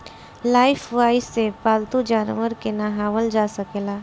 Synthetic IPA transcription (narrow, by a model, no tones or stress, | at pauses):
laːɪpʰʋaːɪsːepaːlt̪ud͡ʒaːnʋəɾkenaɦaːʋəld͡ʒaːsəkeːlaː